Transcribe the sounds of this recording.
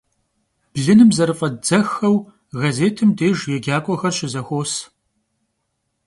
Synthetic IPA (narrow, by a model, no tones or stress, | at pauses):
b̥ɮɨnɨmzɐɾɨfʼɐdd͡zɐxɐw | ɣɐzeːtʰɨmdʰeːʒjɛɡʲaːkʷʼɔxɐrɕɪzɐxʷoːs